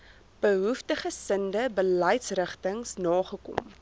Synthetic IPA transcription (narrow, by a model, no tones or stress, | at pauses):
b̥əɦuftəχəsəndəbələjtsrəχtəŋsnɑːχəkɔ̰m